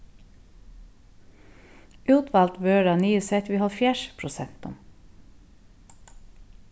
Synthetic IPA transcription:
ʉːt̪ʰʋɑːlt̪bøːɖɑnyːəsɛt̪ʋiːhɔlfjæːʃpʰɹʊsɛnt̪ʊ̰m

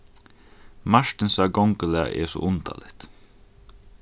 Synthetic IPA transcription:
maʃʈɪnsaɡɔŋkəlɛːa̰ʔɛ̰sɔ̰ʔʊnt̪a̰ːlɪht̪

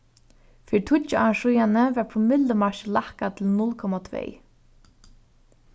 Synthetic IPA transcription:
fiːɾt̪ʰʊt͡ʃəaʂujanəvɛɹpʰɔmɪt̪ləmaʃlahkat̪ʰɪlnʊlkʰɔmat̪ʰvḛj

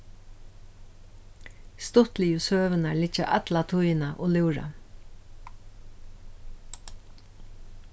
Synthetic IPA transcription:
st̪ʊt̪lɪjusøːʋənalɪt͡ʃaʔat̪lat̪ʰujnaʔo̰ːlʉːɹa̰

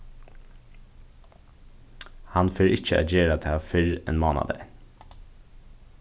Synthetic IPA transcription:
hanfeːɾʔɪt͡ʃəɛ̰ːd͡ʒeːɾat̪ʰɛːfɪɹɛ̰nmoːna̰d̪ə̰

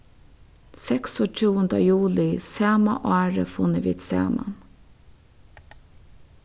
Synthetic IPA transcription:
sɛksɔt͡ʃʰuːənd̪əjuːlɪsæːmaʔɑːɹə̰fʊnəʋḭːd̪sæ̰ːma̰n

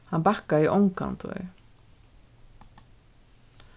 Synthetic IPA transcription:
hanbahkaiʔɔ̰wŋka̰nt̪ɔ̰j

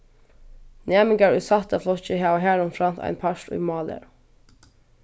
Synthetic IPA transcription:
neːmɪŋɡɑɹʉsɑt̪əflɔçəhæːɦæːnʊmfɾɑnt̪ʰæ̰ɪnpʰɑʃʈḭːmɑːlə̰ɾ

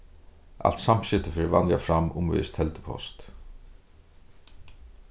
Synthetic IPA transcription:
ʔa̰lt̪sam̥ɕɪt̪əfɪːɾvanjafɾamʊmvɪ̰ːst̪ʰhɛlt̪ə̥pʰɔ̰st̪

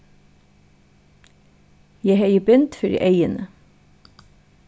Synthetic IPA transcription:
jæɪhæɪəbʏnt̪fœɾḭːʔeɪənə

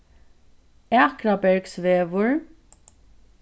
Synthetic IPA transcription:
æːkɾabɛɹksʋeːʋʊɹ

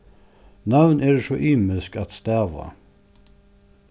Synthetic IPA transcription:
nɑʋnʔeːdʃoːʔiːməlskɑt̪st̪æʋɑ̰

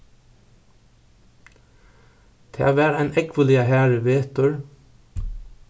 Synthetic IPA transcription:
t̪ʰæ̰ːʋæːɾæɪnʔɛkʋəlɪɑhæːɹəʋeːt̪ʊɹ

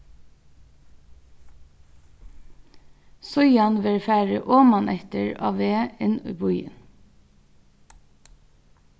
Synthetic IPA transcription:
sɔʏɑnʋeɹfæːɹəʔoːmɑnʔɛt̪əɹɑ̰ːʋeːɪnṵːbʊʏə̰n

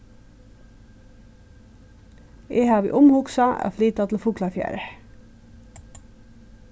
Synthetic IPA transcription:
ʔeːhɑːʋḭːʔʊmhʊksɑʔæ̰ːfliːt̪ɑt̪ʰl̩fuːklɑfjæ̰ːɾə

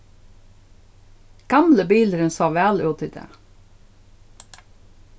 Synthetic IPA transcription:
ɡ̥ɑmləbiːləɾənsoːʋæːlʉːt̪ɪd̪ḛː

